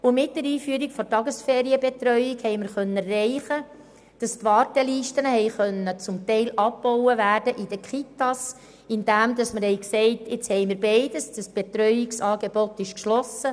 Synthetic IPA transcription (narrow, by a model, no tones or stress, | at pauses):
ʊmɪt̚dəɾiːfyːəɾikfɔtɑɡəsfɛːɾiəbetɾœʏikhɛɪməɾχœnːərɛɪχə | d̥ɑstʋɑːɾtɛliːʃtənəhɛɪχœnːət͡sʊmtɛɪlʔɑpːɔwəvæːɾd̥əʔɪd̥əkχitːɑs | ɪnd̥æmdɑsməɾhɛɪksɛɪtɪt͡shɛɪməɾbeɪdəsd̥ɑsb̥et̪ɾœʏɪksɑːɡebɔtːɪʃkʃlɔsə